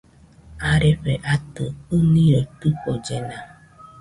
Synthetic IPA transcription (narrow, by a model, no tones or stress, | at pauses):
aɾɪɸeʔatɨoniotukʷod͡ʒena